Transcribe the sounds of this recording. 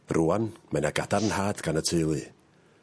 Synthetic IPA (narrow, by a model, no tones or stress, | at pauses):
rʔuanmɛnaɡadarənhaːdɡanətʰejlˠɨ